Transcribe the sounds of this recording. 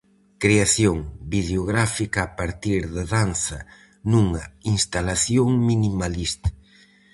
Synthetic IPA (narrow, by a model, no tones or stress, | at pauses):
kɾeaθjoŋbiβleoɣɾafikaːpaɾt̪iɾðaðanθɐ | nuŋɐinst̪alaθjoŋminimalist̪ḁ